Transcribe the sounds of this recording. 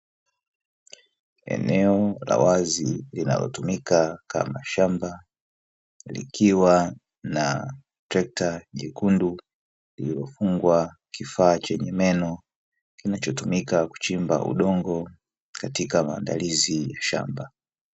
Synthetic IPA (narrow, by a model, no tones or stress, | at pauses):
ɛ̰nɛɔla̰wazilina̰lɔ̰tumikaka̰maʃamba | lḭkʰiwa | na | tɾɛk̚taʄɛkundu | lililɔfuŋɡwa | kifaːt͡ʃɛɲɛmɛnɔ | kinat͡ʃɔtumikaku̥t͡ʃimba̰ʔṵɗɔŋɡɔ | katikamaːndalizijaʃa̰mba